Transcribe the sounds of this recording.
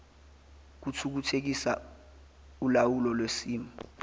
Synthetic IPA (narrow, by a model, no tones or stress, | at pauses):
k̬utʰuk̬utʰek̬isa | ulawulɔlwesiːmɔ